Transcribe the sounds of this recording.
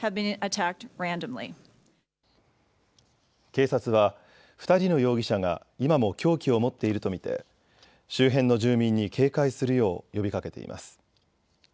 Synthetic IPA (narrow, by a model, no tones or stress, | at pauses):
hɨvbɨ̃nɨtʰæk̚t̚ɹæ̃ndɨ̃mlḭ | ke̞ːsat͡sɨβ̞a | ɸɯ̥t̪aɾʲino̞jo̞ːɡʲiɕaŋa̰ | imamo̞kʲo̞ːkʲio̞mo̞t̪ːe̞iɾɯ̟t̪o̞mʲit̪e̞̰ | ɕɨːɦẽ̞nːo̞ʑɨːmʲĩɲ̟ːikʰe̞ːkaisɨɾɯ̟jo̞ːjo̞bʲikake̞t̪e̞̰ḭmʔa̰sɨ̥